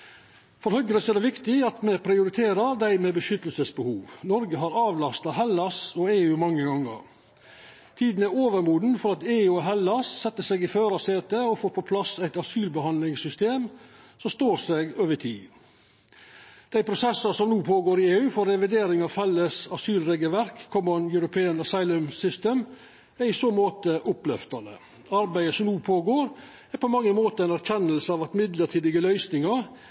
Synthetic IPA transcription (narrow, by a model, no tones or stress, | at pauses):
fɔɾhœɡələsɛd̪ɛʋɪkt̪ɪɑt̪mɛpʰɾɪʊɾɪt̪ʰeːɾəɾd̪æɪmɛbəʃʏt̪əlsəsbəhuːʋnɔɾɡəɦɑɾɑːʋlɑst̪ɑʋɦɛlɑsɔeːʉːmɑŋːəɡɑŋːə̰ɾ | t̪ʰiːd̪n̩æɾoːʋəɾmuːd̪nfɔɾɑt̪eːʉːɔɦɛlːɑssɛt̪ːəsɛɡɪføːɾɑseːt̪əɔfoːɾpʰɔpʰlɑsæɪt̪ɑsyːlbəhɑnlɪŋsʏst̪eːm | sɔmst̪oːɾseɡøːʋəʈʰḭː | d̪̥æɪpʰɾʊsɛsɑsɔmnuːpʰoːɡoːɾɪeːʉːfɔɾːɛʋɪd̪eːɾɪŋɑʋfɛlːəsɑsyːlɾeːɡəlʋæɾkʰːɔmɔnjœɾʊpʰeːənəsɑɪlʉmsʏst̪eːm | æɾɪsoːmoːt̪əʔʊplɛ̰ft̪ɑnə̰ | ɑɾbæɪəsɔmnuːpʰoːɡoːɾ | æɾpʰɔmɑŋːəmoːt̪əɛɪnæɾçɛnəlsəɑːʋɑt̪mɪd̪ləʈʰiːd̪ɪɡəlœʏsnɪŋɑɾ